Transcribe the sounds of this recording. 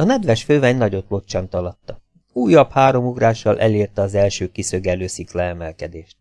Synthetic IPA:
ɒnɛd̪ʋɛʃføːvɛɲnɒɟo̞t̪lo̞t͡ʃːɒnt̪ɒlɒt̪ːɒ | uːjɒphaːɾo̞muɡraːʃːɒlʔɛleːrt̪ɛɒzɛlʃøːkisøɡɛløːsiklɛːmɛlkɛd̪eːʃt̪

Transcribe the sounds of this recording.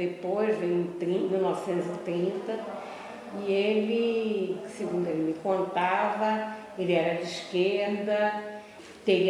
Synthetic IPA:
epojzvẽj̃t̪ɾĩmiwnɔvɪsẽnt̪ʊzit̪ɾĩnt̪ɐ | ielɪsɪɡũnd̪ʊelɪmɪkõnt̪avɐ | elɪɛɾɐd͡ʒɪiʃkeɾd̪ɐ | t̪eɾi

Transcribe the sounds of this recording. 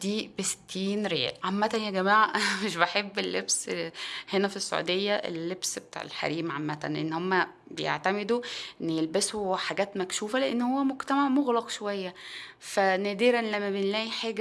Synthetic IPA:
d̪iːbest̪ʰːiːnɾeæ̰lʕamːæt̪ænjæɡæmaːʕameʃbeħebːelːebshenæfisːo̰ʕṵːd̪ejːæʔḛlːebsbet̪a̰ːʕḛlħa̰ɾiːmʕamːæt̪æ̰nleʔḛnːhomːæ | bejḛʕt̪æmed̪uʔʔenːjelbæsoħaɡæːt̪mækʃuːfæleʔenːhowːæmoɡt̪æmaʕmoɣlɑqʃowæjːæfænæːd̪iːɾænlæmːæbenlæːʔjiħeːɡæ

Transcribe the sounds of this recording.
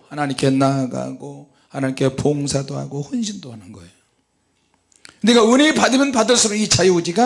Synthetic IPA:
hanaɲimk͈e̞naɡa̰ɡo | hanaɲimk͈e̞poŋsʰadoa̰ɡoɸonɕ̬ʰindoɦanɯnɡʌejo | kɯndiɡaunipadɯmjʌnpadɯɭs͈ɯmɯnit͡ɕajiud͡ʑiɡa

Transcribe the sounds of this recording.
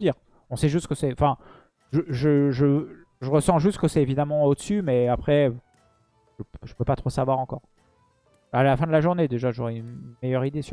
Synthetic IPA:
d̪iːʁ | ɔ̃sɛʒyst̪kəsɛɑ̃fɛ̃ | ʒəʒəʒə | ʒəʁəsɑ̃ʒyst̪kəsɛevid̪amɑ̃od̪əsymɛapχɛ | ʒəpʒəpøpat̪χosavwaʁɑ̃kɔ̰ːʁ | alafɛ̃d̪əlaʒuʁned̪eʒaʒoʁɛynmejœʁid̪es

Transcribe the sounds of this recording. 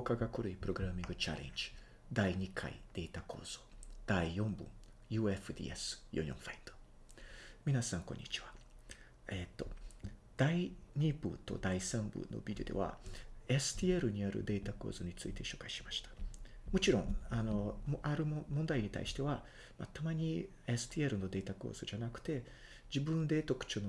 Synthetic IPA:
okaɡakɯ̟ɾɯ̟ipɯ̟ɾo̞ɡɯ̟ɾamʲĩŋɡɯ̟t͡ɕa̰ɾẽ̞̰ɲd͡ʑi̥ | d̪aiɲ̟ikʰa̰ḭd̪̥e̞ːt̪akʰo̞̰ːz̥o̞d̪̥aijõ̞mbɯ̟̰̃ŋ | jɯ̟ːefɯ̟d̪ʲḭesɨ̥jo̰ɲʲõfaĩnd̪̥o | mʲinasãŋkõ̞ɲ̟ːit͡ɕi̥βa | et̪ːo̞d̪̥aiɲ̟ibɯ̟̰t̪o̞̰d̪aisãmbɯ̟̰no̞̰bʲid̪ʲiod̪e̞̰βa̰e̞sɨ̥t̪ʲieɾɯ̟ɲ̟iaɾɯ̟̰d̪e̞ːt̪ako̞̰ːzoɲ̟it͡sɨit̪e̞ɕo̞ːkaiɕimaɕi̥t̪ḁmo̞t͡ɕiɾõ̞ŋano̞maɾɯ̟mmõnd̪aiɲ̟it̪a̰iɕi̥t̪e̞βa | ma̰t̪amaɲ̟i | esɨ̥t̪ʲieɾɯ̟no̞d̪e̞ːt̪ako̞̰ːz̥od͡ʑanakɯ̟̥t̪e̞ | d͡ʑibɯ̟̃nd̪e̞t̪o̞kɯ̟̥t͡ɕono

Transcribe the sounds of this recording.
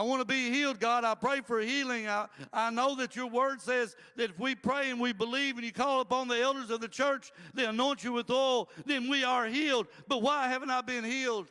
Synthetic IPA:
aɪwɑ̃nəbihilˠd̚ɡɑɾaɪpʰɹ̥eɪfə˞hilˠɪ̃ŋaɪaɪnoʊðɨt͡ʃə˞wɜ˞dsɛz | ðɨɾɨfwipʰɹ̥eɪɨ̃nwibəlivɨ̃njɨkʰɔlˠəpɑ̃nðiɛlˠdə˞zʌvðɨt͡ʃʰɜ˞t͡ʃðeɪənɔ̃ɪ̃nt͡ʃɨwɨðɔlˠðɨ̃nwiə˞ɦilˠd̚b̥ʌt̚waɪhævɨ̃n̩taɪbɪ̃nhilˠd̥

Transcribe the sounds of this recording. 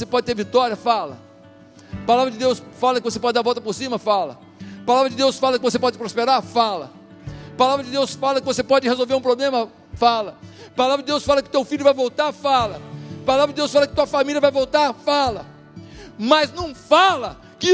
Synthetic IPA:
osepɔd͡ʒɪt̪eɾvit̪ɔɾiɐfalɐ̰ | palavɾɐd͡ʒɪd̪ewsfalɐkɪvose̥pɔd͡ʒɪd̪aɾvɔwt̪ɐpoɾsĩmɐfalɐ̰ | palavɾɐd͡ʒɪd̪ewsfalɐkɪvosepɔd͡ʒɪɪpɾospeɾaɾfalɐ̰ | palavɾɐd͡ʒɪd̪ewsfalɐkɪvosepɔd͡ʒɪhezowveɾũpɾoblẽmɐ | falɐpalavɾɐd͡ʒɪd̪ewsfalɐkɪʊ̥t̪ewfilʎʊvajvowt̪aɾfalɐpalavɾɐdd͡ʒɪd̪ewsfalɐkɪt̪uɐfamiljɐvajvowt̪aɾfalɐ | mɐznɐ̃w̃falɐ | kɪ

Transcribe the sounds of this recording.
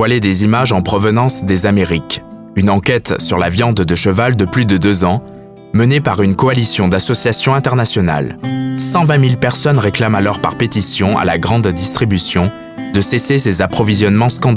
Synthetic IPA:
waled̪ezimaʒɑ̃pχɔvənɑ̃sd̪ezameʁik | ynɑ̃kʲɛt̪syʁlavjɑ̃d̪d̪əʃəvald̪əplyd̪əd̪øzɑ̃ | mənepaʁynkɔalisjɔ̃d̪asɔsjasjɔ̃ɛ̃t̪ɛʁnasjɔna̰lsɑ̃vɛ̃milpɛʁsɔnʁeklamalɔʁpa̰ʁpet̪isjɔ̃a̰laɡʁɑ̃d̪ːist̪χibysjɔ̃ | d̪əsesesezapχɔvizjɔnmɑ̃skɑ̃d̪

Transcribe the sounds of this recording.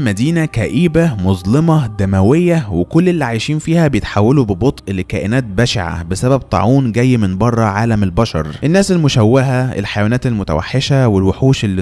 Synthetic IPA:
mæd̪iːnækæʔiːbæmozˤlemɑd̪æmæwejːæwekolːelːiʕajʃiːnfiːhæbejet̪ħawːælubebot̪ˤʔelkæːʔɪnæːt̪̚bæʃʕa̰besæbæb̚t̪ˤɑ̰ʕuːnɡæjːmɪnbɑrˤːɑʕaːlæmelbɑʃɑ̰ɾˤʔenːæːselmʊʃæwːeɦæḛlħajæwæːnæːt̪elmʊt̪æ̰wa̰ħːeʃæwelweħuːʃelːi

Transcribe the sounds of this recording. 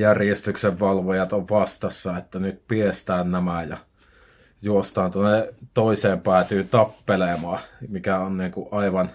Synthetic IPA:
jærjest̪ykseʋʋɑlʋojɑt̪oʋʋɑst̪ɑsːɑet̪ːænyt̪piest̪æːnnæmæjɑ̰ | juost̪ɑːnt̪uonːet̪oiseːmpæːt̪yːt̪ɑpːelemɑːmikæonniːŋkuʔʔɑiʋɑn

